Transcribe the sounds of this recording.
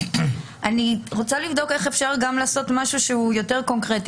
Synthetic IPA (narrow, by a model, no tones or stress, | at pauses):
ʔaniʁot͡salivd̪o̞ke̞χefʃaʁɡamlaːso̞tmaʃuʃeujo̞te̞ʁko̞ŋkʁeti